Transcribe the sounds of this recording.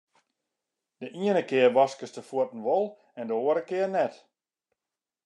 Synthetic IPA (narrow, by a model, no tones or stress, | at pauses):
d̥əʔiənəkɪərʋɔskəstəfuətn̩ʋɔlˠ | ɛndəoːəɾəkɪərnɛt